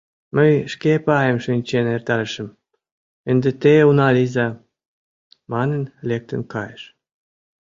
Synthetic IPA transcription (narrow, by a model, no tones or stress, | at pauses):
məjʃkepɑjəmʃynʲt͡ɕenert̪ɑɾəʃə̆m | ənd̪et̪eunɑlizɑ | mɑnənlek̚t̪ə̰̆nkɑjeʃ